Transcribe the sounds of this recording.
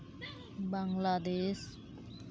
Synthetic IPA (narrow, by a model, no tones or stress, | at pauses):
baŋladɛs